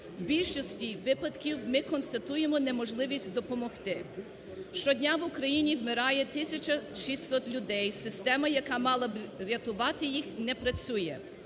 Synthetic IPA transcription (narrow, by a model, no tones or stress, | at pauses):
wbʲilʲʃɔsʲtʲiʋɪpɐd̪kʲiwmɪkɔnst̪ɐt̪ujemɔnɛmɔʒlˠɪʋʲisʲtʲd̪ɔpɔmɔxt̪ɪ | ʃt͡ʃɔdʲnʲaʋʊkɾɐjinʲiwmɪɾɑjɛt̪ɪsʲɐt͡ʃɐʃisʲsɔt̪lʲʊd̪ɛjsɪst̪ɛmɐjɐkɑmɑlˠɐbɾʲɐt̪ʊʋɑt̪ɪjixnɛpɾɐt͡sʲujɛ